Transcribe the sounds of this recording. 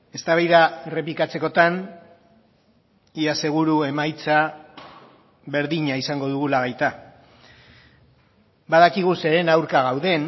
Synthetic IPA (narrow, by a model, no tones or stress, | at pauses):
e̞st̪aβajðaere̞plikat͡se̞ko̞t̪an | iase̞ɣ̞uɾue̞majt͡sa | βe̞ɾðiɲaisaŋɡo̞ðuɣulaɣajt̪a | baðakiɣuse̞ɾe̞nawɾkaɣ̞awðe̞n